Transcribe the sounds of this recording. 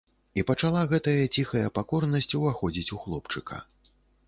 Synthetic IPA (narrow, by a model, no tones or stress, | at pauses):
ipɐt͡ʂalˠaɣɛt̪ɐjɐt͡sʲixɐjɐpakɔrnɐsʲt͡sʲuvaxɔd͡zʲit͡sʲuxlˠɔpt͡ʂɨkʰɐ̰